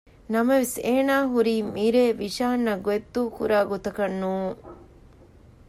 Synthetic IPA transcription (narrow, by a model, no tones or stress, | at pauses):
nɐmɐʋiseːnaːɦuɾiːmiɾeːʋiʃaːnːɐɡoet̪ːuːkṵɾaːɡot̪ɐkɐnːuːŋ